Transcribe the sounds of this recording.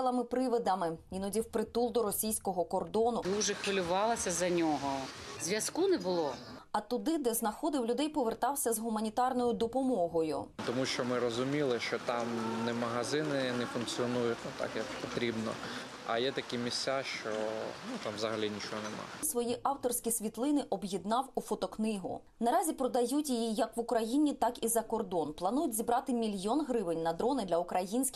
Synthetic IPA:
ɛlˠɐmɪpɾɪʋɪd̪ɐmɪʋʲinɔdʲiwpɾɪt̪ulˠd̪ɔɾɔsʲijsʲkɔɦɔkɔrd̪ɔnʊd̪uʒɛkɔlʲʊʋɑlˠɐsʲɐzɐnʲɔɦɔzʲʋʲjɐskunɛbʊlˠɔɐt̪ʊd̪ɪd̪ɛznɐxɔd̪ɪwlʲʊd̪ɛjpɔʋert̪ɑwsʲɐzɦʊmɐnʲit̪ɑrnɔjʊd̪ɔpɔmɔɦɔjʊ̰t̪ɔmuʃt͡ʃɔmɪɾɔzʊmʲilˠɪʃt͡ʃɔt̪ɑmnɛmɐɦɐzɪnɪnɛfʊnk̚t͡s̪ʲsʲiɔnujʊt̪ʲnut̪ɑ̰kjɐkpɔt̪ɾʲibnɔ̰ | ɐ̰jɛt̪ɐkʲimʲisʲt͡sʲaʃt͡ʃɔnut̪ɑmʋzɐɦɐlʲinʲit͡ʃɔɦɔnɛmɑ̰sʋɔjiʔɑwt̪ɔrsʲkʲisʲʋʲit̪lˠɪnɪʔɔbjid̪nɑwufɔt̪ɔknɪɦʊ̰ | nɐɾɑzʲipɾɔd̪ɐjutʲjijijɐkʋʊkɾɐjinʲit̪ɑkizɐkɔrd̪ɔnplˠɐnujʊtʲzʲibɾɑt̪ɪmʲilʲjɔnɦɾɪʋɪnʲnɐd̪ɾɔnɪd̪lʲɐʊkɾɐjinʲsʲkʲ

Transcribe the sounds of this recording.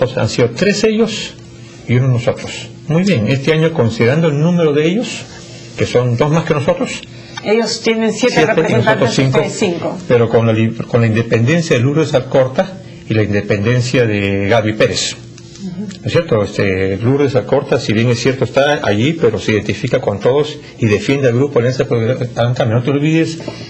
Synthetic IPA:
osa̰nsiðot̪ɾe̞se̞ʝo̞s | iunoznoso̞t̪ɾos | mujβje̞ŋe̞st̪eaɲo̞ko̞nsiðeɾand̪oelnũme̞ɾo̞ðeeʝo̞s | ke̞so̞nd̪o̞zmaskenoso̞t̪ɾos | ejost̪jenensjessjet̪einosot̪ɾosiŋkosiŋkopeɾokonlaikonlaind̪e̞pe̞nd̪e̞nsjaðeluɾðesalko̞ɾt̪a | ilaind̪e̞pe̞nd̪e̞nsjaðeɣaβipe̞ɾes | nosje̞ɾt̪oest̪eluɾðesalko̞ɾt̪asiβjeŋesːje̞ɾt̪oest̪aa̰ʝipeɾo̞seiðe̞nt̪ifikako̞nt̪oðos | iðe̞fje̞nd̪ealɣɾupoaljansapoaaŋkameno̞t̪eo̞lβiðes

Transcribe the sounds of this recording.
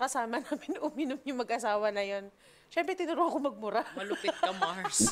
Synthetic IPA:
kɐsaːmɐnaːmɪnʔʊmɪnʊmjʊŋmɐɡʔɐsaːwɐnɐjo̞n | ʃɛmpɾɛt̪ɪnʊɾʊhɐkomɐɡ̚mʊɾamɐlʊpɪt̪̚kɐmaɹs

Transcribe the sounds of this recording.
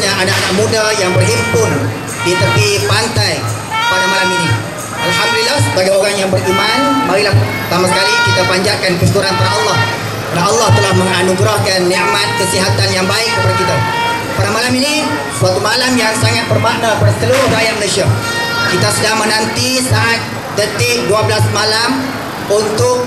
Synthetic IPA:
ɲaʔanaʔanaʔ̚mũdajaŋbərɦimpʊn | dit̪əpipant̪aj | spadamalamini | ʔalɦamd̪ulilːahsəbaɡajoɾaŋjaŋbərimanmaɾilah | t̪amasəkalikit̪apaɲd͡ʒakankəsiəkuɾanpadaʔɔlːɑh | kədanɔlːɑht̪əlahmə̃ŋanuɡɾahkanːɛʔmat̪̚kəsiɦat̪anjaŋbaɪkːəpadakit̪a | padamalamini | suat̪umalamjaŋsaŋat̪̚bərbaʔdapadst̪əluɾʊhɾajat̪̚mənũsia | kit̪asədamənãnt̪isaʔat̪̚ | d̪ət̪ɪk̚duabəlasmalam | unt̪ʊk̚

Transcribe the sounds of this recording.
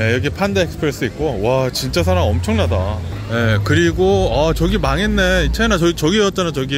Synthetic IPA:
ejʌɡipʰandeeks͈pʰɯɾe̞s͈ɯik̚k͈owat͡ɕint͡ɕ͈as̬ʰaɾaŋʌmt͡ɕʰʌŋnada | je̞kɯɾiɡoat͡ɕʌɡimaŋenːe̞it͡ɕʰenat͡ɕʌit͡ɕʌɡieʌt̚t͡ɕ͈anat͡ɕʌɡi

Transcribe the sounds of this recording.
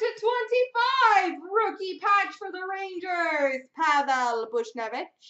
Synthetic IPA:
tətʰw̥ɛ̃ntifaɪvɹʊkipʰḁd͡ʒfə˞ðəɹẽɪ̃nd͡ʒə˞z̥pʰaðɛlˠbʊʃnɛvɪt͡ʃ

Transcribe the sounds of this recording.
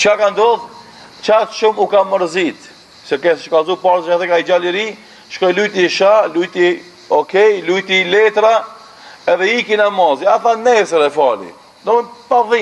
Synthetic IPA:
t͡ʃkakand̪ɔð | t͡ʃat̪ʃumukaməɾzit̪ | sɛkɛsʃkazupaɾzʃat̪ɛkaid͡ʒaliɾi | ʃkɔjlujt̪iʃalujt̪i | ɔkɛjlujt̪ilɛt̪ɾa | ɛðɛikinamɔziaθanɛsəɾɛfalḭ | d̪ɔmnpaði

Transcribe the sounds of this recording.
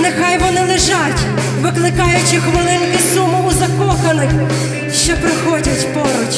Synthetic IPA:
nexɑjʋɔnɪlˠɪʒɑtʲ | ʋɪklˠɪkɑjʊt͡ʃɪxʋɐlˠɪnkɪsumʊːzɐkɔxɐnɔj | ʃt͡ʃɔpɾɪxɔdʲɐtʲpɔɾɔt͡ʃʲ

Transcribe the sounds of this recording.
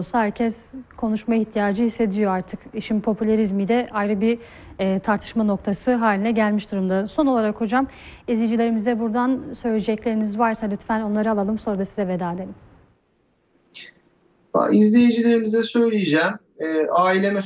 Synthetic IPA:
saɦæɾcʰɛskʰo̞nuʃmajiçt̪ʰijaːd͡ʒɯhisːe̞d̪ijo̞aɾt̪ʰɯkiʃinpʰo̞pʰylʲaɾizmijd̪ɛʔajɾɯbiː | t̪ʰaɾt̪ʰɯ̥ʃmano̞kt̪ʰasɯɦaːlʲinɛɟælʲmiʃd̪uɾumd̪aso̞nolˠaɾakho̞d͡ʒamizlʲejd͡ʒilʲe̞ɾimizd̪ɛbuɾd̪ansø̞jlʲed͡ʒɛclʲe̞ɾinizvaɾsalʲyt̪fæno̞nˠaɾɯalˠalˠɯmso̞ɾad̪asizɛved̪aːd̪elʲim | a̰izlʲejid͡ʒilʲe̞ɾimizd̪ɛsø̞jlʲijed͡ʒɛm | ɛːaːilʲemɛ

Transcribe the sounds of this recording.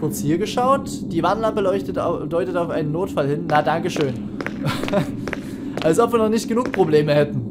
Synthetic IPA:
ʊɐt͡shiːɐɡəʃaʊtd̥iːvanlampəlɔʏçtətdɔʏtətaʊʔaɪnənːoːtfalhɪnːadaŋkəʃøːn | ʔalsʔɔpv̥iːɐnɔχnɪçtɡ̥ənuːk̚pʁ̥obleːməhɛtn̩

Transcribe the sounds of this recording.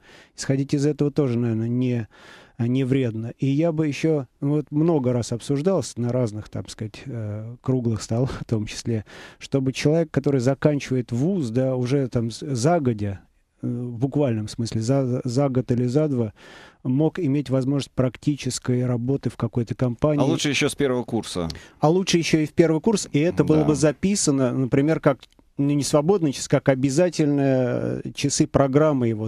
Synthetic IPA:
ɪ̥sxɐdʲitʲɪzɛt̪əvət̪o̞ʐɨnɐvʲernənʲɪ | nʲɪvɾʲe̞d̪nəʔijabɨjɪɕːonvo̞t̪mno̞ɡəɾasɐpsʊʐd̪alˠsʲənɐɾaznɨxt̪a̰mskatʲəkɾuɡlˠɨxst̪alˠft̪o̞mt͡ɕɪ̥sʲlʲe̞ʂt̪o̞bɨt͡ɕɪlˠɐvʲekːɐt̪o̞ɾɨjzɐkanʲt͡ɕɪvəjɪt̪vusd̪aʊʐɛt̪amzaɡədʲɪ | vbʊkvalʲnəmsmɨsʲlʲɪzazaɡət̪ɨlʲɪzad̪vəmo̞kɪmʲetʲvɐzmo̞ʐnəsʲtʲpɾɐktʲit͡ɕɪskəjrɐbo̞t̪ɨfkɐko̞jt̪əkɐmpanʲlːˠuʂɨjɪɕːospʲervəvəkursə̰ɐlˠutʂɨjɪɕːoɪfʲpʲe̞rvɨjkursɪɛt̪əbɨlˠəbɨzɐpʲisənənəpɾʲɪmʲerkak | nunʲɪsvɐbo̞d̪nɨjt͡ɕɪ̥sɨ̥kakɐbʲɪzatʲɪlʲnɨjət͡ɕɪsɨpɾɐɡɾamːɨjɪvo

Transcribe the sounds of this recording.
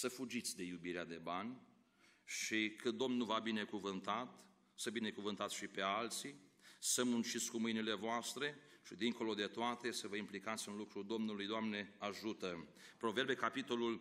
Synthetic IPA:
səfud͡ʒit̪sʲd̪e̞jubiɾead̪e̞banʲ | ʃikɨt̪̚d̪o̞mnuvabine̞kuvɨnt̪at̪ | səbine̞kuvɨnt̪at̪sʃipe̞alt̪sisəmunt͡ʃit̪sʲkumɨjnile̞voast̪ɾe̞ʃid̪iŋko̞lo̞d̪e̞t̪oat̪e̞səvəimplikat̪sʲɨnlukɾud̪o̞mnulujd̪oamne̞aʒut̪əpɾo̞ve̞ɾbe̞kapit̪o̞lul

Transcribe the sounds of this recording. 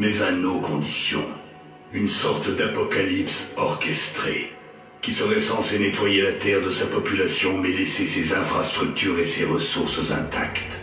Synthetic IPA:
mɛzãnokɔ̃d̪isjɔ̰̃ | ynsɔʁt̪d̪apɔkalipsɔʁkʲɛst̪χḛ | kʲisəʁɛsɑ̃senet̪wajelat̪ɛʁd̪əsapɔpylasjɔ̃mɛlesesezɛ̃fχast̪χyk̚t̪yʁeseʁəsuʁsəzɛ̰̃t̪a̰kt̪

